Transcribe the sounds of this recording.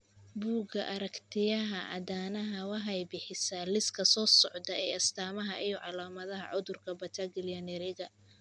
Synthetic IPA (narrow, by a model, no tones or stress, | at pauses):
buːɡɐʔɐɾɐkt̪ʰɪjɐɦɐʔɐ̰d̪aːnɐɦɐwɑħɑjbɪħɪsalɪskʰɐsɔːsɔʕd̪ɐɛːɐst̪ʰaːmɐɦɐʔɪjɔʕɑlaːmɐðɐɦɐ̰ʕʊðʊrkʰɐbɐt̪ʰɐɡɪljɐnɛɾɪɣɐ